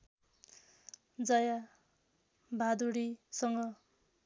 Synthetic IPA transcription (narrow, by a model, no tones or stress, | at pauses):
d͡zʌja | bʱad̪uɽisʌŋɡʌ